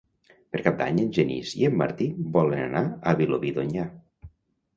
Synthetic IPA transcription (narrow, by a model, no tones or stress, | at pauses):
pəɾkap̚d̪aɲenʲʒenḭzḭemːa̰ɾt̪ibɔlena̰naaβiloβiðoɲa